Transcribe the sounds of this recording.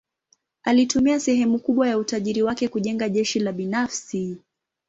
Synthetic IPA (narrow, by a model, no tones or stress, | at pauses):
alitumiasɛɦɛmukuɓwajautaʄiɾiwakɛkuʄɛŋɡaʄɛʃilaɓinafsi